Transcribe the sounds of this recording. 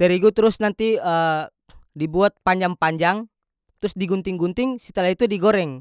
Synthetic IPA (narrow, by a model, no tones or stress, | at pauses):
t̪ɛɾiɡut̪əɾʊsnant̪iə | dibuat̪̚paɲd͡ʒaŋpaɲd͡ʒaŋ | t̪ɾʊsdiɡunt̪ɪŋɡunt̪ɪŋsət̪əlaɦit̪udiɡoɾɛŋ